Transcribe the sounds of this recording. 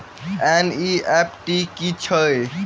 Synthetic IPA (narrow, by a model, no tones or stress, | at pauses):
ɛniɛpʈikit͡ʃʰəj